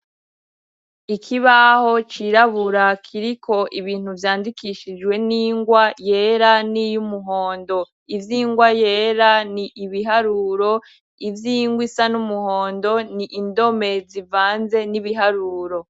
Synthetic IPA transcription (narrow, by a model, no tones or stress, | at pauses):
ikʰiβaho̞t͡ʃiɾaβuɾakʰiɾikʰo̞ʔiβiːn̥uvjaːndikiʃid͡ʒɡwe̞niːŋɡwajeɾanijumuɦo̞ːndo̞ | ivjiːŋɡwaje̞ːɾaniʔiβiɦaɾuɾo̞ | ivjiːŋɡwisanumuhoːndo̞niʔːndo̞me̞zivaːnze̞niβiɦaɾuːɾo̞